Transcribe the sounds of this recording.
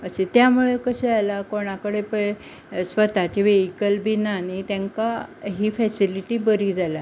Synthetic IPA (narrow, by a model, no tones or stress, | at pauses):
əset̪jamuɭekəɕɛalakoɽ̃akəɽepə | sʋət̪at͡ɕiʋeɦikəlbinanit̪jãŋkaɦiːfɛsiliʈiːbəɾiːd͡zʱala